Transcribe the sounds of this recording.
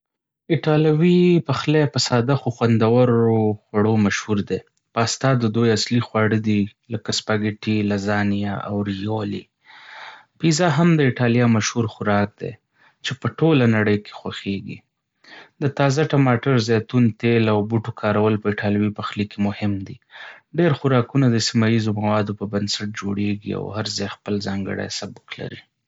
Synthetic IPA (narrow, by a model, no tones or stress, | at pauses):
ɪʈɑlawipaxlepəsɑd̪axoxwand̪awaɾoxwaɽomaʃhuɾd̪e | pəast̪ɑd̪əd̪ojaslixwɑɽəd̪iləkaspaɡɪʈilazɑnijaʔa̰wɾijoli | pizaɦamd̪əɪʈɑlijɑmaʃhuɾxʊɾɑk̚d̪ḛ | t͡ʃepəʈolanaɽəjkʰe̥xwaxeɡḭ | d̪ət̪ɑzaʈamɑʈaɾzɑt̪unt̪elawbuʈokʰɑɾawəlpəɪʈʰɑlwipaxlikemʊhɪmd̪iɖeɾxʊɾɑkunad̪əsimɑjizomawɑd̪opəbansaʈ̚d͡ʒoɽeɡḭa̰whaɾzɑjxpəlzɑŋɡə̰ɽa̰jsabʊkla̰ɾi